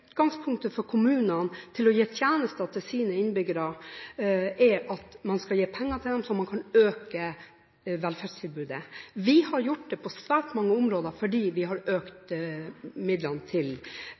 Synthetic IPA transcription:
ʉːt̪ɡɑŋspʰʊŋkt̪əfɔɾkʰʊmʉːnənt̪ʰɪlɔjeːt̪ʰjæːnəst̪əɑt̪ɛsiːnəɪnbʏɡəɾɑ | ʔɛʔɑt̪mɑnskɑljeːpʰɛŋːət̪ʰɪld̪ɛmsɔmɑnkʰɑnøːkə | ʋɛlfæɖst̪ʰɪlbʉːd̪əʋɪhɑɾjʊʈːd̪ɛpʰɔsʋæːɾʈmɑŋːəʊmɾoːd̪əɾfɔɖiːʋɪɦɑɾøːkt̪ | mɪd̪lənt̪ʰɪl

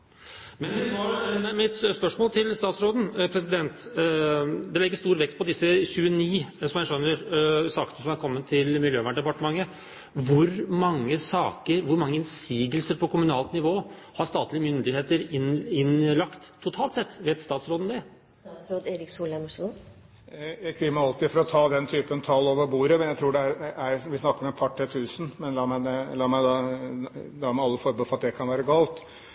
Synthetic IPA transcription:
mɛnmɛsɾmɛɪt̪spœʂmoːlt̪ʰɪlst̪ɑːt̪sɾoːd̪n̩pʰɾɛsɪd̪ɛnt̪ | d̪ɛlɛɡːəʂt̪uːɾʋɛkt̪̚pʰɔd̪ɪsːəçʉːəniːsɔmjæɪʂœnːəɾsɑːkənəsɔmækʰɔmːənt̪ʰɪlmɪljøːʋæɳɖ̪ɛpɑʈəmɑŋːə | ʋʊɾmɑŋːəsɑːkəɾʋʊɾmɑŋːəɪnsiːɡəlsəɾpʰɔkʰʊmʉnɑːlt̪nɪʋoːhɑɾst̪ɑːt̪lɪəmʏnd̪ɪheːt̪əɾɪɪnlɑkt̪ʰːʊt̪ʰɑːlt̪sɛt̪ːʋeːt̪st̪ɑːt̪sɾoːd̪n̩d̪ɛ | sɾoːd̪eːɾɪksuːləmɔʂ | jæɪkʰʋɪmːəɑlt̪ɪfɔɾɔt̪ʰɑːd̪ɛnt̪ʰyːpənt̪ʰɑlːoːʋəɾbuːɾəmɛnjæɪt̪ʰɾuːɖɛæɾʔæɾʋɪsnɑkːəɾmɛpʰɑʈʰːɛt̪ʰʉːsn̩mɛnlɑːmæd̪ɛlɑːmæɪd̪ɑ | d̪ɑːmæɪɑlːəfɔɾbɪfɔɾɑt̪̚d̪ɛkʰɑnʋæːɾəɡɑːlt̪

